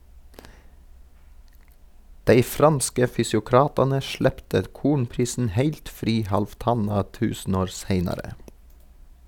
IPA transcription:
ˈdæɪ ˈfɾɑnskə fʏsjʊˈkɾɑːtɑnə ˈʃɭɛptə ˈkuːɳpɾiːsn̩ ˈhæɪlt ˈfɾiː hɑlfˈtɑnɑ ˈtʉːsn̩ˌoːɾ ˈseɪnɑɾə

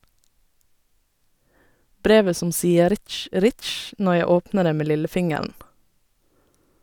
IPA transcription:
ˈbɾeːʋə ˈsʊm ˈsiːə ˈɾɪtʃ ˈɾɪtʃ ˈnɔ ˈjæɪ ˈoːpnəɾ ˈeː ˈmeː ˈlɪləˌfɪŋəɾn

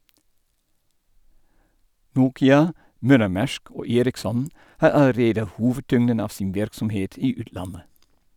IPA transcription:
ˈnuːkɪɑ ˈmœləˌmæʃk ˈoː ˈeːɾɪkˌsɔn ˈhɑː ɑləˈɾeːdə ˈhuːʋəˌtʏŋdən ˈɑːʋ ˈsɪn ˈʋɪɾksɔmˌheːt ˈiː ˈʉːtˌlɑnə

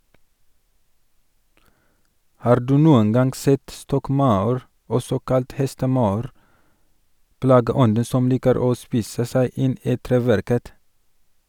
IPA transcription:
ˈhɑːɾ ˈdʉː ˈnuːən ˈɡɑŋɡ ˈsɛt ˈstɔkˌmɑʉɾ ˈɔsɔ ˈkɑlt ˈhɛstəˌmɑʉɾ ˈplɑːɡəˌɔndə ˈsɔm ˈliːkəɾ ˈoː ˈspiːsə ˈsæɪ ˈɪn ˈiː ˈtɾeːˌʋæɾkət

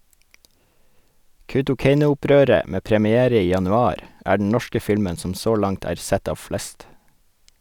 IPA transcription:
kɑʉtʊˈkeɪnʊʊˌpɾøːɾə ˈmeː pɾəmɪˈeːɾə ˈiː jɑnʉˈɑːɾ ˈæː ɖɳ̩ ˈɳɔʃkə ˈfɪlmən ˈsɔm ˈsoː ˈlɑŋt ˈæːɾ ˈsɛt ˈɑːʋ ˈflɛst

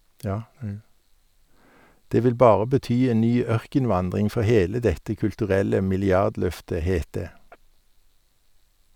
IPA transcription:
ˈdeː ˈʋɪl ˈbɑːʁə bəˈtyː ˈeːn ˈnyː ˈœʁkənˌʋɑndʁɪŋ ˈfɔ ˈheːlə ˈdɛtə kʉltʉˈʁɛlə mɪlɪˈɑʁdˌlœftə ˈheːt ˈdeː

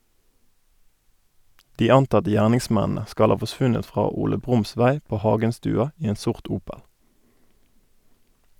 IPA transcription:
ˈdiː ˈɑntɑtə ˈjæːʁnɪŋˌsmɛnənə ˈskɑl ˈhɑː fɔˈsʋʉnət ˈfʁɑː ˈuːlə ˈbʁʊmˌsʋæɪ ˈpoː ˈhɑʉɡənstʉːɑ ˈiː ˈeːn ˈsʊʁt ˈuːpəl

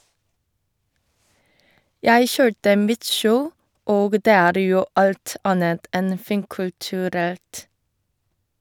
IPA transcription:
ˈjæɪ ˈçøːʈə ˈmɪt ˈʃəʊ ˈoːɡ ˈdeː ˈæːɾ ˈjuː ˈɑlt ˈɑnət ˈʔɛn ə ˈfiːŋkʉltʉˌɾɛlt

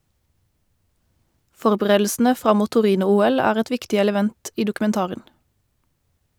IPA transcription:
ˈfɔʁbəˌʁeːdl̩sn̩ə ˈfʁɑ ˈmuː tʊˈʁiːnʊˌuːɛl ˈæːʁ ˈɛt ˈʋɪktɪ ɛləˈʋɛnt ˈiː dʊkʉmɛnˈtɑːʁən

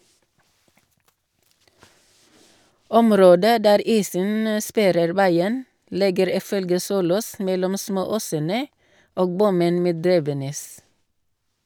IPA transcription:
ˈɔmˌɾoːdə ˈdæːɾ ˈiːsən ə ˈspæɾəɾ ˈʋæɪən ˈlɪɡəɾ ˈiː ˈfœlɡə ˈsuːloːs ˈmɛlɔm ˈsmoːˌoːsənə ˈoːɡ ˈbʊmən ˈmeː ˈdɾiːʋəˌnɛs

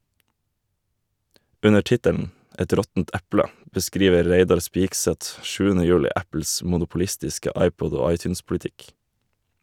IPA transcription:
ˈʉnə ˈʈɪtəln̩ ˈɛt ˈɾɔtn̩t ˈɛplə bəˈskɾiːʋə ˈɾeɪdɑɾ ˈspɪɡˌsɛt ˈʃʉːənə ˈjʉːlɪ ˈæpl̩s mʊnʊpʊˈlɪstɪskə ˈɑɪˌpɔd ˈoː ˈɑɪˌtjʉːnspʊlɪˌtɪk

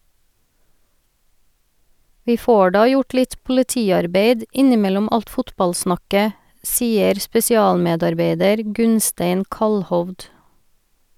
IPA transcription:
ˈʋiː ˈfoː ˈɖɑː ˈjʊʈ ˈlɪt pʊlɪˈtiːɑɾˌbeɪd ˈɪnɪˌmɛlɔm ˈɑlt ˈfʊtbɑlˌsnɑkə ˈsiːəɾ spɛsɪˈɑːlˌmeːdɑɾˌbeɪdəɾ ˈɡʉnsteɪn ˈkɑlhɔʋd

